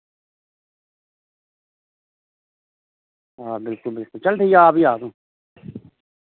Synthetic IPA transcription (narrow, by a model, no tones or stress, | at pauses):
aːbɪlkʊlbɪlkʊlt͡ʃɐlt̪ijaːpiaːd̪ũː